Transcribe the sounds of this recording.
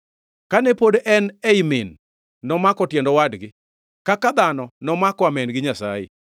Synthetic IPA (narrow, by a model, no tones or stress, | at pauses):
kanɛpodʔɛnɛimɪnː | ɔmakɔtjɛndɔwadɡɪ | kakad̪anɔnɔmakɔamɛnɡɪɲasa̰jḛ